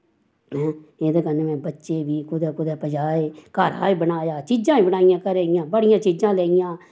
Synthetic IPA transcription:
mɛ̃ːeːd̪eːkənemɛ̃ːbətːʃeːbʱiːkʊd̪ɛːkʊd̪ɛːpəd͡ʒaːeːkaːɾã̰ːĩːbənaːjaːt͡ʃiːd͡ʒãːĩːbənaːɪjãːkəɾeːɪjãːbəɽɪjãːt͡ʃiːd͡ʒãːleːɪjãː

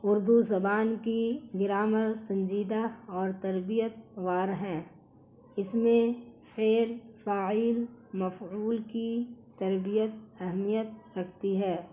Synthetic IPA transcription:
ʊɾd̪uzɐbaːnkiɡɪɾaːməɾsɐ̃nd͡ʒiːd̪aɔːɾt̪ɐɾbijət̪̚ʋaːɾɦɛ̃ː | ɪsmẽfeːlfaːɪːlmɐfuːlkit̪ɐɾbijət̪̚ɛɦmijət̪̚ɾɐkʰt̪iɦɛː

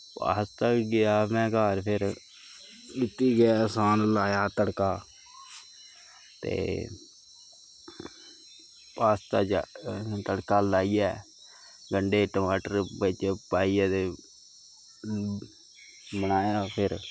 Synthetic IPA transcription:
pa̰ːst̪aɡɪjaːmɛ̃ːkaːɾpʰɪɾ | kɪt̪ːiːɡɪasaːnlaːjaːt̪əɽkaː | t̪ḛː | paːst̪at͡ʃt̪əɽkaːlaːiːɛː | ɡəɳɖeːʈəmaːʈəɾbət͡ʃpaːiːaːt̪eː | mənaːjaːpʰɪɾ

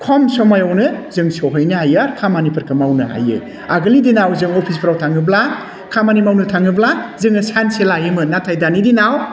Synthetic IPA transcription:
kʰɔmsɔmajawnɯzɯŋsoɦɯjnɯɦajaɾkʰamanipʰɐɾkʰɯmawnɯɦa̰jɯ̰ | aɡɯlidinawzɯŋopʰis̬pʰɾawtʰaŋɯbla | kʰamanimawnɯtʰaŋɯblazɯŋɐsanselajɯmɯnatʰajdanidinaw

